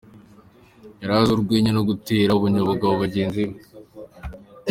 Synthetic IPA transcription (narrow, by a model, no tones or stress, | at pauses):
jaɾazuɾɡwiːɲenoɡutiːɾauβuɲoβuɡaβuβaɟeːnziβ